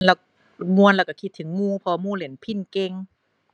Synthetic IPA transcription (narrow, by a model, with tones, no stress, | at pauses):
lɛ˧˩w | mu˧ənlɛː˧˩ka˧˩kʰi˧t̪ʰːɯ˨˩˦ŋmuː˧˩pʰɔ˧muː˧˨le˩˦npʰi˧˥˩nke˧ŋ